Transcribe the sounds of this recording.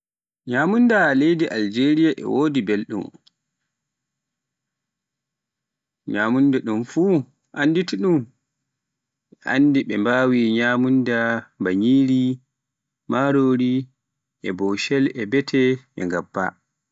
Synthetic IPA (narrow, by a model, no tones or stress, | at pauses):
ɲaːmundalejdiʔald͡ʒeɾijaʔɛ̰woːdibelɗṵm | ɲaːmundɛɗumfuː | ʔanditiɗum | ɓɛʔa̰ndiɓɛmbaːwiɲaːmundabaɲiːɾi | maɾoːɾi | ʔɛbɔʃɛlɛbɛtʰɛɛ̰ŋɡapːa̰